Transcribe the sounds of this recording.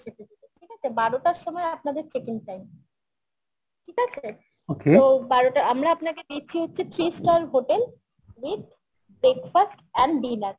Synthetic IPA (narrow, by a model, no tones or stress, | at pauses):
ʃetʰed̪it̪eʈʰikat͡ɕʰebaɽoʈaɾʃomɔeap̚nad̪eɾt͡ɕekinʈajm | ʈʰikat͡ɕʰe | okeobaɾoʈaamɾaapnaked̪it͡ɕʰiɦotːɕʰit̪ʰɾisʈalɦoʈel | wit̚ | bɾekfasʈɛɳɖinaɾ